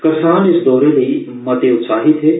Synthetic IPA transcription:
kɐsaːnɪsd̪ɔːɾeləi | mɐt̪eʊt̪saːɦɪt̪ɦɛː

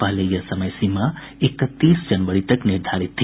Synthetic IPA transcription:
palejəsəməjsima | ekət̪ːisd͡ʒənbəɽit̪əkniɾd̪ʱaɾit̪ʰːi

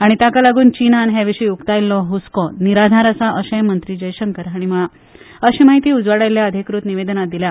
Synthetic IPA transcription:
aɽ̃it̪akalaɡuːnt͡ɕinanɦjaʋiɕəjukt̪ajlːɔɦuskɔniɾad̪ʱaɾəsaʔəɕə̃jmənt̪ɾiːd͡ʑəjɕəŋkəɾaɽ̃iməɭa | əɕiːmaɦit̪iːud͡zʋaɽajljaəd̪ʱikɾut̪niʋed̪nad̪ilja

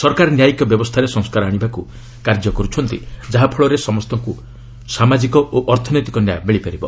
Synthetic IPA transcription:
sɔɾkaɾɔnjajikɔbjɔbɔst̪ʰaɾesɔŋskaɾɔaɽ̃ibaku | kaɾd͡ʒɔkɔɾut͡ʃʰɔnt̪ḭd͡ʒaɦapʰɔɭɔɾesɔmɔst̪ɔŋku | samad͡ʒikɔʔoʔɔɾt̪ʰɔnojt̪ikɔnjajbeɭipaɾibɔ

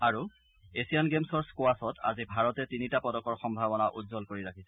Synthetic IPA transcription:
aɹu | esijanɡemsɔɹskoasɔtʰa̰zibʱaɹɔtɛtinitapɔdɔkɔɹxɔmbʱabɔnaʔudzɔlkoɹiɹakʰisɛ

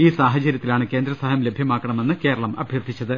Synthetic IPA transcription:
iːsaːɦɐt͡ɕɐɾjɐt̪ːilaːɳɨke̞ːnd̪ɾɐsaːɦɐmlebʱjɐmaːkːɐɳɐme̞nːɨke̞ːɾɐɭɐmɐ̰bʱjɐrd̪ʱit͡ɕːɐðɨ

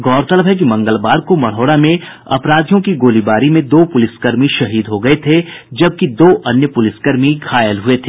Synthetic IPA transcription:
ɡɔːɾt̪ɐləbɦɛk̬imɐ̃ŋɡəlbaːɾkomɐɽ̤ɔːɽamẽ | ɐ̰pɾaːd̪ʱjõkiɡoːlibaːɾimẽd̪oːpʊlɪskɐɾmiʃɐɦiːd̪ɦoɡɐet̪ʰed͡ʒɐb̚kid̪oːʔɐnjəpʊlɪskɐɾmiɡʰʱaːjəlɦuet̪ʰeː

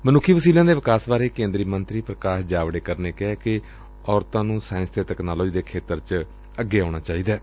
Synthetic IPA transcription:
mənʊkʰːiːʋəsiːlãːd̪eːʋɪkaːsbaːɾeːkẽːnd̪ɾiːmənt̪ɾiːpɾəkaːʃd͡ʒaːʋɽeːkəɾneːkɛːkɪ | ɔːɾt̪ãːnũːsaːɪ̃nst̪eːt̪ɛːknaːloːd͡ʒiːd̪eːkʰeːt̪əɾt͡ʃ | əɡːeːaːɽ̃aːt͡ʃaːiːd̪aː

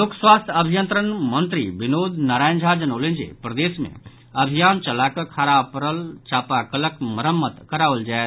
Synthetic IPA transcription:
lokswaːst̪ʰɐbʱijənt̪ɾənmə̃nt̪ɾiʋɪnoːd̪naɾaːj̃nd͡ʒʱad͡ʒənoːlẽnd͡ʒḛpɾɐd̪eːsmḛ̃ | ɐbʱijaːnt͡ʃɐlakəkʰaːɾaːpɾəlt͡ʃaːpakələkməɾəmːət̪kəɾaːʋəld͡ʒaːe

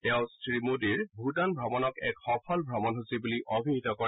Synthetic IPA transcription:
ɛʊ̃sɹimudiɹbʱutanbʱɹɔmɔnɔkɛkxɔpʰɔlbʱɹɔmɔnɦusibuliʔobʱinitɔkɔ

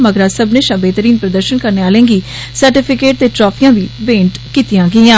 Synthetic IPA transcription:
məɡɾaːsəbneːʃəbeːt̪əɾiːnpɾəd̪əɾʃənkəɾneːaːlẽːŋɡiː | səɾʈɪpʰɪkeːʈ̚t̪eːʈɾɔːpʰijãːʋiːbẽːɳʈkiːt̪ijãːɡəãː

